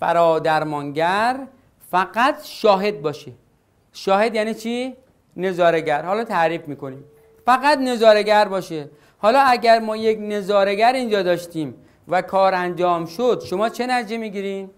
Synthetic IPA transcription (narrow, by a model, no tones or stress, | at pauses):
fæ̰ɾɒːd̪æɾmɒːnɟæɾ | fæɣæt̪ʰʃɒːɦe̞d̪̚bɒːʃe | ʃɒːhe̞d̪jæːniːt͡ʃʰiː | ne̞zɒːɾeɡæɾhɒːlɒːt̪ʰæɾiːfmiːko̞niːm | fæɣæt̪ne̞zɒːɾeɡæɾbɒːʃe | hɒːlɒːæɡæɾmɒːje̞kne̞zɒːɾeɡæɾiːnd͡ʒɒːd̪ɒːʃt̪iːm | vækʰɒːɾænd͡ʒɒːmʃod̪ʃomɒːt͡ʃʰe̞næt̪ʰid͡ʒemiːɡiːɾin